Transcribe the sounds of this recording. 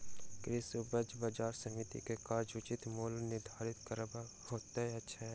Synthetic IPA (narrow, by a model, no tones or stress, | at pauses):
kɾɪsʊbəd͡ʒbaːd͡ʒaːɾsɐmɪt̪ḭkekaːɾd͡ʒʊt͡ʃɪt̪muːlnɪɾd̪ʱaːɾɪt̪kəɾba | hoːt̪aɦɛɐtːʃʰaɦɛ